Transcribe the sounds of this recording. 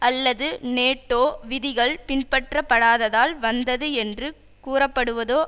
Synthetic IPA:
ɐlːɐðɯneːʈːoːʋɪðɪɣɐɭpɪnpɐʈrɐpːɐɽaːðɐðaːlʋɐnd̪ɐðɯɛndrɯ | kuːrɐpːɐɽɯʋɐðoː

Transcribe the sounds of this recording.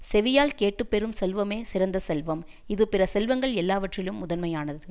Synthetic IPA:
sɛʋɪjaːlkeːʈːɯpːɛɾɯmsɛlʋɐmeːsɪɾɐnd̪ɐsɛlʋɐm | ɪðɯpɪrɐsɛlʋɐŋɡɐɭɛlːaːʋɐʈrɪlɯmːʊðɐnmɐjaːnɐðɯ

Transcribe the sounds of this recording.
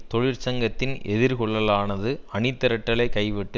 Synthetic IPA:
t̪ɔɻɪɾt͡ʃɐŋɡɐt̪ːɪnɛðɪɾkɔɭːɐlaːnɐðɯɐɳɪt̪ːɐɾɐʈːɐɭɐɪkːɐɪʋɪʈːɯ

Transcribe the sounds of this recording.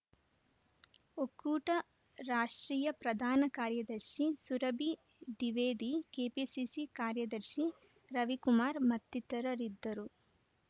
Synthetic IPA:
okːuːʈɐ | ɾaːʂʈɾiːjɐpɾɐd̪ʱaːnɐkaːɾjɐd̪ɐɾʃisuɾɐbi | d̪iʋeːd̪ikeːpisisikaːɾjɐd̪ɐɾʃi | ɾɐʋikumaːɾmɐt̪ːit̪ɐɾɐɾid̪ːɐɾu

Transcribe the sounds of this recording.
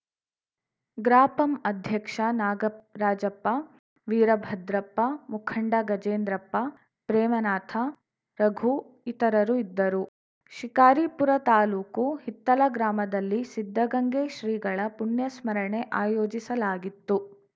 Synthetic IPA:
ɡɾaːpɐmɐd̪ʱjɐkʂɐnaːɡɐɾaːd͡ʒɐpːɐ | ʋiːɾɐbʱɐd̪ɾɐpːɐmukʰɐɳɖɐɡɐd͡ʒeːnd̪ɾɐpːɐ | pɾɛːmɐnaːt̪ʰɐ | ɾɐɡʱu | it̪ɐɾɐɾuid̪ːɐɾu | ʃikaːɾipuɾɐt̪aːluːkuhit̪ːɐlɐɡɾaːmɐd̪ɐlːisid̪ʱːɐɡɐŋɡeːʃɾiːɡɐɭɐpuɳjɐsmɐɾɐɳe̞ʔaːjoːd͡ʒisɐlaːɡit̪ːu

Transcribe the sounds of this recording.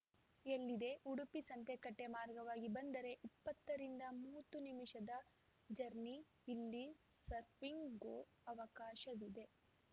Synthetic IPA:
elːid̪e̞ʔuɽupisɐnt̪e̞kɐʈːe̞maːɾɡɐʋaːɡibɐnd̪ɐɾe̞ʔipːɐt̪ːɐɾind̪ɐmuːt̪unimiʃɐd̪ɐ | d͡ʒɐɾniː | lːisɐɾpiŋɡɡoː | ɐʋɐkaːʃɐʋid̪e̞

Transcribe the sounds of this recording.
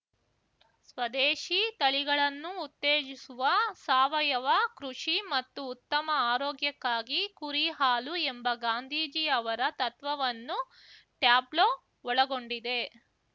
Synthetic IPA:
sʋɐd̪eːʂit̪ɐɭiɡɐɭɐnːuːt̪ːeːd͡ʒisuʋɐsaːʋɐjɐʋɐkɾuʂimɐt̪ːuːt̪ːɐmɐaːɾoːɡjɐkːaːɡikuɾiɦaːluembɐɡaːnd̪ʱiːd͡ʒiɐʋɐɾɐt̪ɐt̪ʋɐʋɐnːu | ʈjaːbloː | ɔɭɐɡo̞ɳɖid̪e̞

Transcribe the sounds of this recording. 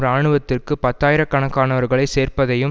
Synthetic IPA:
ɾaːɳɯʋɐt̪ːɪrkɯpɐt̪ːaːjɪɾɐkːɐɳɐkːaːnɐʋɐɾɣɐɭɐɪseːrpɐðɐjɯm

